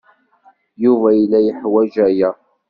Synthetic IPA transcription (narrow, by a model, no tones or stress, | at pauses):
juvæjlːæjəħwæʒæjæ